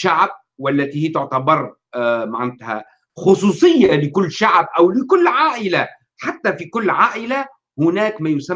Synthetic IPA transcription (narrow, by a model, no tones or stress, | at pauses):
ʃaʕb̚ | wælːæt̪iːhijt̪ʊʕt̪abɑɾˤ | maʕɪnt̪hæ̰ | xʊsˤuːsˤɨjːalɪkʊlːʃaʕbʔæwlɪkʊlːʕaːʔɪla | ħat̪ːæfikʊlːʕaːʔɪla | hʊnæːkmæːjʊsæ